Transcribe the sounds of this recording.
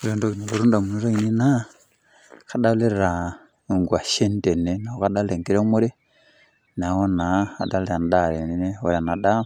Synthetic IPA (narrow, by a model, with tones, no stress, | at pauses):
u˨le˨ndo˦ki˨ne˨lu˨ɾu˦nda˨mu˨ni˦ɾo˦i˨ni˦na˦ | ka˨da˦u˦le˦ɾe˨ɾa˨ | ŋɡwa˨ʃe˦n˦de˨ne˦na˨o˦ka˦da˦le˨ŋki˦ɾe˦mu˦ɾe˦ | na˨ho˦naa˨da˦le˦ɾa˨nda˨ɾe˨ni˦ne˦o˨ɾa˨na˨da˦m